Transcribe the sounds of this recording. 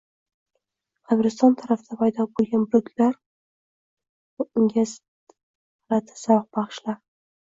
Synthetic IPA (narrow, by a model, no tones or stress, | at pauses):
qʰɑbɾɪst̪ɒnt̪ʰaɾafd̪apʰajd̪ɒbolˠɡʲanbʊɾʊkʲʰlaɾ | ɪŋɡʲas | ɾat̪ʰḁsaq̚bɑχʃlaɾ